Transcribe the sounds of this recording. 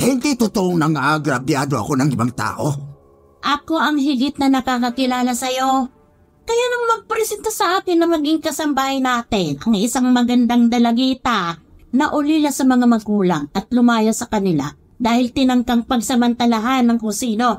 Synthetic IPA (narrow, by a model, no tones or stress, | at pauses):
hɪnd̪ijt̪ʊt̪oʔoŋnɐŋaʔɡɾɐbjad̪o̞ʔɐ̰ko̞nɐŋɪbaŋt̪a̰ːʔo̞ | ʔɐko̞ʔɐŋɦɪɡɪt̪̚nɐnɐkakɐkɪlaːlɐsɐjo̞ | kɐjanɐŋmɐɡ̚pɾɛsɛnt̪asɐʔaːkɪnːɐmɐɡiŋkɐsɐmbaːhɪjnaːt̪ɪnʔɐŋʔɪsaŋmɐɡɐnd̪aŋd̪ɐlɐɡiːt̪a | nɐʔʊlilasɐmɐŋamɐɡuːlɐŋɐt̪̚lʊmaːjasɐkɐnɪla̰ | d̪aːhɪlt̪ɪnɐŋkaŋpɐɡ̚sɐmɐnt̪ɐlaɦanːɐŋkʊŋsiːno̞